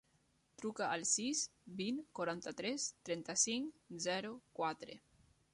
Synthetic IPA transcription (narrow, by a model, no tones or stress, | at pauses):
t̪ɾukaʔəlˠsisbiŋkwaɾant̪at̪ɾɛst̪ɾɛnt̪asiŋzɛɾukwat̪ɾḛ